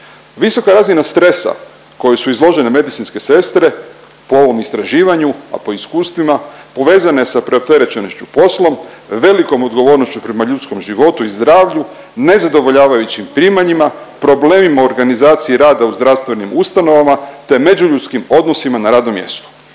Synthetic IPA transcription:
ʋiso̞kaɾazinast̪ɾe̞sa̰ | ko̞jesuizlˠo̞ʒe̞ne̞me̞d̪it̪sinske̞se̞st̪ɾe̞ | po̞o̞ʋo̞mist̪ɾaʒiːʋaɲua̰po̞iskuːst̪ʋimapo̞ʋe̞ːzane̞sapɾe̞o̞p̚t̪e̞ɾe̞t͡ɕe̞no̞st͡ɕupo̞slo̞mʋe̞liko̞mo̞d̪ɡo̞ʋo̞ːɾno̞st͡ɕupɾe̞maʎut̪sko̞mʒiʋo̞t̪uizd̪ɾaːʋʎu | ne̞zad̪o̞ʋo̞ʎaːʋajut͡ɕimpɾiːmaɲima | pɾo̞ble̞ːmimaoɾɡanizaːt̪siiɾaːd̪auzd̪ɾaʋst̪ʋe̞nimust̪ano̞ʋamat̪e̞me̞d͡ʑuʎut̪skimo̞d̪no̞simanaɾaːd̪no̞mje̞̰st̪o̥

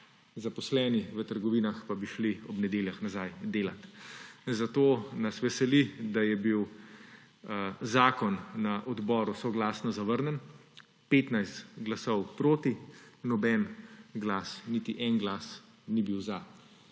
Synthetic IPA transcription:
zapɔslɛːniʋət̪əɾɡɔʋiːnaxpabiʃliɔbnɛd̪eːljaxnazajd̪eːlat̪zat̪oːnɐsʋɛsɛlid̪ajɛbiw | zaːkɔnːaʔɔd̪bɔːɾusɔɡlaːsnɔzaʋəɾnən | peːt̪najst̪ɡlasɔwpɾoːt̪inɔbɛnɡlaːsnit̪iʔɛnɡlaːs | nibiwza

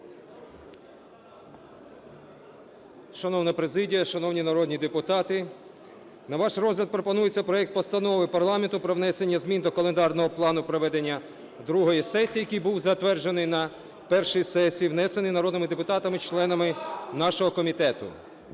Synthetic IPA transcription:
ʃɐnɔwnɐpɾezɪdʲijɐʃɐnɔwnʲinɐɾɔd̪nʲid̪epʊt̪ɑt̪ɪ | nɐʋɑʃrɔzɦlʲɐd̪̚pɾɔpɔnujet͡sʲːɐpɾɔɛk̚t̪̚pɔst̪ɐnɔʋɪpɐrlˠɑment̪ʊpɾɔʋnɛsenʲːɐzmʲind̪ɔkɐlˠend̪ɑrnɔɦɔplˠɑnʊpɾɔʋɛd̪e̞nʲːɐ | d̪ɾuɦɔjisɛsʲijɐkijbuwzɐt̪ʋɛrd͡ʒenɪjnɐ | pɛrʃijsɛsʲijiwnɛse̞nɪjnɐɾɔd̪nɪmɪd̪epʊt̪ɑt̪ɐmɪt͡ʃlˠɛnɐmɪnɑʃɔɦɔkɔmʲit̪ɛt̪ʊ̰

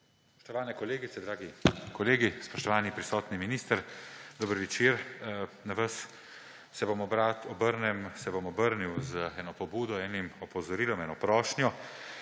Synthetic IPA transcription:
sssspɔ̥ʃt̪ɔʋaːnɛkɔleːɡit̪sɛd̪ɾaːɡikɔleːɡispɔʃt̪ɔʋaːnipɾisɔːt̪niminiːst̪əɾd̪ɔbəɾʋɛt͡ʃiːɾnaʋəs | sɛbomɔbɾaːt̪ʰɔbəɾnɛmsɛbomɔbəɾniwzɛːnɔpɔbuːd̪ɔɛːnimɔpɔzɔɾiːlɔmɛːnɔpɾɔːʃnjɔ

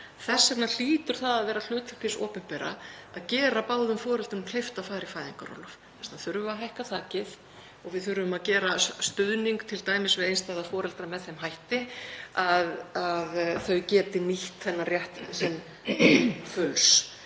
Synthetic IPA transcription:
θɛsːɛt̪nal̥iːt̪ʏɾ̥θaðaðvɛːɾal̥ʏːt̪fʏ̥p̪ɪsɔ̰ːpɪnpɛːɾa̰aðcɛːɾapaːwðʏmfɔːɾɛlt̪ʏnkʰlejft̪afaːjɾɪfaːjðiŋka̰ɾɔ̰wlɔf | θɛst̪aθʏɾvaɦajhkaθaːcɪθ | ɔɣvɪðθʏɾʏvʏmaðcɛːɾast̪ʏðniŋkt̪ʰɪlt̪aːjmɪsvɪðejnst̪ajðafɔːɾɛlt̪ɾamɛðθejmɦajht̪ɪaðaðθœɥcɛːt̪ɪniht̪θɛnːarjɛht̪sɛn | fʏls

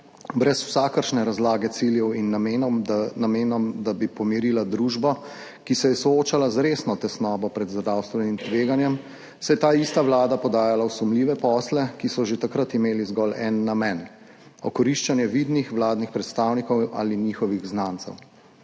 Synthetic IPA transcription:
bɾɛsw̥saːkəɾʃnɛɾazlaːɡɛt̪siljɛwinːmnameːnɔmd̪abipɔmiɾiːlad̪ɾuʒbɔ | kisɛjɛsɔoːt͡ʃalazɾeːsnɔt̪ɛsnɔːbɔpɾɛd̪zdɾawst̪ʋɛnimt̪ʋeːɡanjɛm | sɛjɛt̪aːist̪aʋlaːd̪apɔd̪aːjalawsumliːʋɛpɔːslɛkisɔʒet̪akɾat̪imeːlizɡɔlɛnːamɛn | ɔkɔɾiʃt͡ʃanjɛʋid̪nixʋlaːd̪nixpɾɛt̪st̪aːwnikɔwa̰liɲiːxɔʋiɣznant̪sɛ̰w

